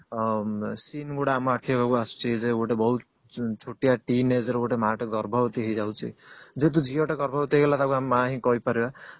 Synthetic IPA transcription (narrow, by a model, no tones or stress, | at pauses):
sinɡuɽaːmakʰikakuasu̥t͡ʃʰid͡zeuʈebɔɦut̪ | t͡ʃʰoʈijaʈined͡ʒɾʈemãʈeɡɔɾbʱɔbt̪eɦid͡ʒawt͡ʃʰḭd͡ʒet̪̬ud͡ʒiɔʈeɡɔɾbʱɔbt̪eɡelat̪akuammaɦĩkɔɦipaɾia